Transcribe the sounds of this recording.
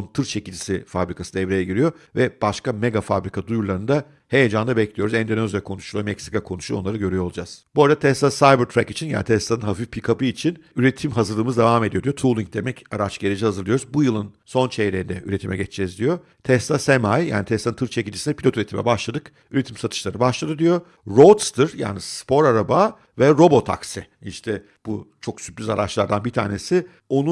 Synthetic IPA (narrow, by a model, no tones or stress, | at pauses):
nt̪ʰɯɾt͡ʃʰe̞cilʲd͡ʒisifabɾikʰasɯd̪ɛvɾejɛɟiɾijo̞vɛb̥aʃkameɡafabɾikʰad̪ujuɾlˠaɾɯnd̪a | hejed͡ʒand̪abɛclʲijo̞ɾuzɛnd̪enozjakʰo̞nuʃulˠomɛcsi̥kakʰo̞nuʃu̞nˠaɾɯɟø̞ɾyjolˠud͡ʒaz̥b̥oɾad̪at̪ʰɛst̪asajbɯɾt̪ʰɾækit͡ʃʰinja̰ːnit̪ʰɛsˠanɯnɦafifpʰikʰapɯit͡ʃʰinyɾet̪ʰimɦazɯɾlˠɯːmɯzd̪evame̞d̪ijo̞d̪ijot̪ʰulˠiɲc̚d̪e̞mɛcaɾat͡ʃɟ̥eɾed͡ʒɛhazɯɾlˠɯjo̞ɾuzbujɯlˠɯnso̞nt͡ʃʰejɾeɾind̪ɛ̰ʔy̰ɾe̞t̪ʰimʔɛ̰ɟɛt͡ʃd͡ʒɛzd̪ijo̞ | t̪ʰɛst̪asɛmajja̰ːnit̪ʰɛst̪ʰːˠanɯnʰɯɾt͡ʃʰecind͡ʒisinɛpʰlʲo̞t̪yɾet̪ʰimɛ̰baʃlˠad̪ɯk | yɾe̞t̪ʰimsat̪ʰɯ̥ʃlˠaɾɯbaʃlˠad̪ɯd̪ijo̞ | ɾot̪st̪ɯɾja̰ːnisspo̞ɾaɾaba | vɛɾo̞bo̞t̪ʰa̰ksi | iʃt̪ʰɛ | b̥ṵt͡ʃʰo̞ksyplʲyzaɾat͡ʃlˠaɾd̪anbit̪ʰa̰ːnesɪ | o̞nu